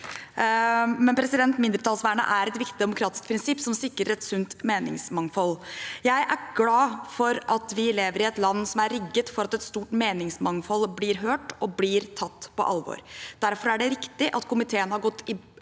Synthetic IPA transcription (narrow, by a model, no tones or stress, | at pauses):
mɛnpʰɾɛsɪd̪ɛnt̪mɪnd̪ɾət̪ʰɑːlsʋæːɳə̰ʔæɾɛt̪ʋɪkt̪ɪd̪ɛmʊkʰɾɑːt̪ɪ̥sk̚pʰɾɪnsɪpːsɔmsɪkːɾəɾɛt̪sʉnt̪meːnɪ̰ŋsmɑŋfɔljæɪʔæɾɡlɑːfɔɾɑt̪ʋɪleːʋəɾɪɛt̪lɑnːsɔmæɾɾɪɡːət̪fɔɾɑt̪ɛt̪st̪uːʈmeːnɪŋsmɑŋfɔlblɪɾɦøːʈɔblɪɾt̪ʰɑt̪ːpʰɔ̰ʔɑlʋo̰ːɾd̪̥æɾfɔɾæɖɛɾɪkt̪ɪʔɑt̪kʰʊmɪt̪ʰeːənhɑɾɡɔt̪ːɪ